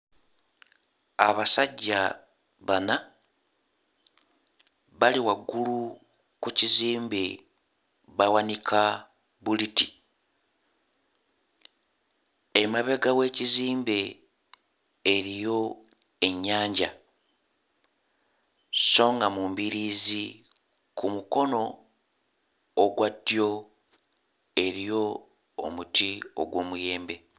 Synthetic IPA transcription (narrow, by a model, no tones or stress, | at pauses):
aβasaɟːa | βana | βaliwaɡːulu | kuciziːmbe | βawanikʰa | βuliti | emaβe̞ɡawe̞ːciziːmbe̞ | ɾijo̞ | e̞ɲːaːɲɟa | so̞ːŋɡamumbiɾiːzi | kumuko̞no̞ | ɡwadjo̞ | e̞ɾijo̞̰ː | mutʰio̰ɡwo̞ːmuje̞ːmbe̞